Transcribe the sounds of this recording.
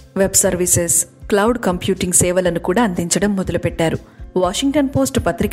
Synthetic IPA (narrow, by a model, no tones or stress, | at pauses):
ʋebsɐɾʋisesklɐwɖkɐmpjuːʈiŋɡsɛːʋɐlɐnukuːɽaːɐnd̪iɲt͡ʃɐɽɐmːod̪ɐlupɛʈːaːɾuʋaːʂiŋɡ̚ʈɐnpo̞ːsʈpɐt̪ɾik